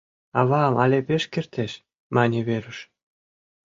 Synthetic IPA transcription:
ɑβɑmʔɑlʲepʲeʃkʲert̪eʃ | mɑnʲeβeɾə̆ʃ

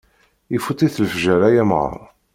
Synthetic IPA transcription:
ifut̪ˤiθlfʒæɾæjæmʁə̰ɾˤ

